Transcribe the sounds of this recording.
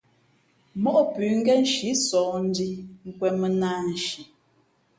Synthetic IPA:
mɔ˦ʔpʉː˨ŋ̩˦ɡɛ˦n̩˦ʃi˨˦sɔː˨n̩˦di˦ŋ̩˨kwɛ˦mə˦naː˦n̩˨˦ʃi˨

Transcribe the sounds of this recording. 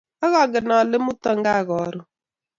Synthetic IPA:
ɔ˦ɣɔ˦˨ɡɪ˨nɔ˨lɪ˦mʊ˦tɔ˦ŋ˦ɡa˦˨ɣɔ˨ɾʊ˦

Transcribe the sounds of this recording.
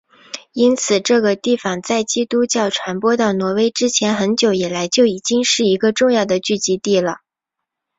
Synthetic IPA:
i˥nt͡sʰɹ̩˨˩ʈ͡ʂɤ˥˩ɡə˩t̪i˥˩fɑ˥˩ŋt͡sa˥˩ɪt͡ɕi˥t̪u˥t͡ɕjɑ˥˩ʊʈ͡ʂʰwa˧˥npwɔ˥t̪ɑ˥˩ʊnwɔ˧˥we˥ɪʈ͡ʂɻ̩˥t͡ɕʰjɛ˧˥nxə˧˥nt͡ɕjo˨˧˥ʊi˨˩la˧˥ɪt͡ɕjo˥˩ʊi˨˩t͡ɕi˥ŋʂɻ̩˥˩i˧˥ɡə˧ʈ͡ʂʊ˥˧ŋjɑ˥˩ʊd̪ə˩t͡ɕy˥˩t͡ɕi˧˥t̪i˥˩lə˩

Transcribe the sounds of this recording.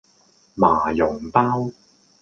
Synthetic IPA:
maː˨˩jʊ˨˩ŋp̪aː˥w

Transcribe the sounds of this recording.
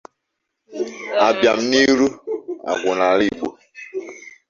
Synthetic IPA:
a˨bja˨mni˦ɾu˦a̰˨ɡu˨na˨ɾi˦˨ɡ͡bo˨

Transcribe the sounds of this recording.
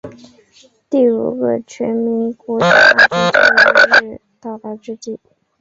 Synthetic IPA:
t̪i˥˩ṵ˨˩ɡə˧t͡ɕʰɥɛ˧˥nmi˧˥ŋkwɔ˧˥t͡ɕja̰˥ʈ͡ʂu˥˩t͡ɕa̰˥˧˥ɻɻ̩˥˧t̪ɑ˥˩ʊt̪a˥˩ʈ͡ʂɻ̩˥t͡ɕi˥˩

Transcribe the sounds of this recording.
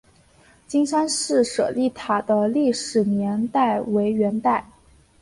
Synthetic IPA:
t͡ɕi˥ŋʂa˥nʂɻ̩˥˩ʂɤ̰˨˩li˥˩t̪ʰa˨˩d̪ə˦li˥˩ʂɻ̩˨˩njɛ˧˥nt̪a˥˩ɪwe˧˥ɪɥɛ˧˥nt̪a˥˩ɪ

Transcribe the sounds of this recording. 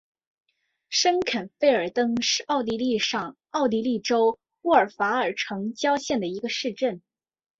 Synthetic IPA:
ʂə˥nkʰa˨˩nfe˥˩ɪə˞˨˩t̪ɤ˥ŋʂɻ̩˥˧ʔɑ˥˩ʊt̪̬i˧˥li˥˧ʂɑ˥˩ŋ | ɑ˥˩ʊt̪̬i˧˥li˥˩ʈ͡ʂo˥ʊ | u˥˩ə˞˨˩fa˧˥ə˞˨˩ʈ͡ʂʰɤ˧˥ŋt͡ɕjɑ˥ʊɕjɛ˥˩nd̪ə˩i˧˥ɡə˧ʂɻ̩˥˧ʈ͡ʂə˥˩n

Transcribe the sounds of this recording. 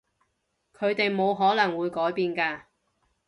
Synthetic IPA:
kʰɵ˨˧ɥt̪e˨jmo˨˧wɦɔː˨˥lɐ˨˩ŋwuː˨˧jkɔː˨˥jpiː˨˧nkaː˧

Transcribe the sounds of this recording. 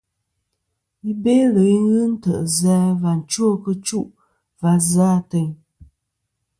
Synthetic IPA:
i˦be˦lə˨˦i˦ɣɨ˦n̩˦tə˨ʔzɛː˧˦va˨n̩˨t͡ʃwo˦˨kə˦t͡ʃu˦˨ʔ | va˨za˦tə˨ɲ

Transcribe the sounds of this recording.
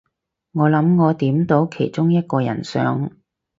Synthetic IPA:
ŋɔː˨˧lɐ˨˥mŋɔː˨˧t̪iː˨˥mt̪o˨˥wkʰe˨˩jt͡sʊ˥ŋjɐ˥t̚kɔː˧jɐ̰˨˩nsœ̰ː˨˥ŋ

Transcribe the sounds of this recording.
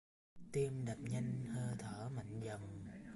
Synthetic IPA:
t̪i˧əmɗə˨˩p̚ɲa˧ŋhəː˧t̪ʰəː˧˩ma̰˧˨ŋ̟zə˨˩wŋ͡m

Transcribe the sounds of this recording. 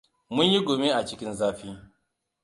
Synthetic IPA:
mʊ˦ɲji˦ɡʷoː˨me˦ʔa˨t͡ʃɪ˦kʲɪ˦nzaː˦ɸiː˦

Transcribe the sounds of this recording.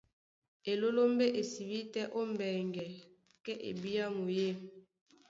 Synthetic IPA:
e˨lo˦lo˦mbe˦ʔe˨si˨bi˦tɛ˦ʔo˦mbɛ˨ŋɡɛ˨ | kɛ˦ʔḛ˨bi˦ja˦mo˨je˦˨

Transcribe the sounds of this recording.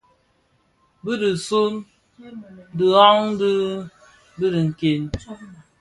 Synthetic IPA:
bɨ˦dɨ˨su˦m | dɨ˨ɔ˦ŋdɨ˦ | bi˦di˨ŋ̩˨ke˨n

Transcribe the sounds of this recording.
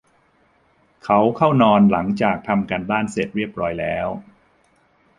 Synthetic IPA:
kʰa˦˥wkʰa˥˩wnɔː˧nla˩˦ŋt͡ɕaː˨˩k̚t̪ʰa˧mka˧ndaː˥˩nse˨˩t̪̚ɾi˥˩əp̚ɾɔː˦˥jlɛː˦˥w

